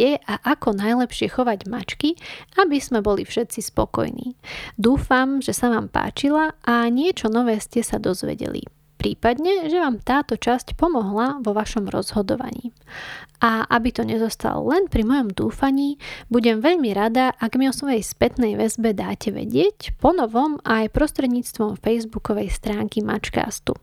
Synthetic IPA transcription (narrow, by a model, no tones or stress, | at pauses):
ɛʔaʔakɔnajlɛpʃɪɛxɔʋaɟmat͡ʃkiabizmɛbɔlifʃɛt̪t͡sispɔ̰kɔ̰jnḭːd̪uːfamʒɛsaʋaːmpa̰ːt͡ʃilaʔaɲɪɛt͡ʃɔnɔʋɛːscɛsad̪ɔzʋɛ̰ɟɛ̰lḭ | pɾiːpad̪ɲɛʒɛʋaːmt̪aːt̪ɔt͡ʃascpɔmɔɦlaʋɔʋaʃɔmɾɔ̰zɦɔd̪ɔ̰ʋa̰ɲḭːʔaʔabit̪ɔɲɛzɔst̪a̰lɔ̰lɛnpɾimɔjɔmd̪uːfaɲiːbuɟɛmʋɛʎmiɾad̪aʔaɡmiɔsʋɔjɛjspɛt̪nɛjʋɛzbɛd̪aːcɛʋɛ̰ɟɪɛcpɔnɔʋɔmʔajpɾɔst̪ɾɛd̪ɲiːt͡st̪ʋɔmfɛjzbukɔʋɛjst̪ɾaːŋkima̰t͡ʃka̰ːst̪ṵ